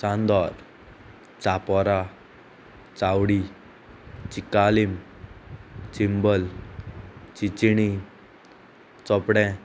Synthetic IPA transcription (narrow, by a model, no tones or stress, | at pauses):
t͡sãnd̪ɔɾ | t͡sapɔɾa | t͡sawɽi | t͡ʃikalim | t͡ɕimbəl | t͡ɕit͡ɕiɽ̃i | t͡sɔpɽɛ̃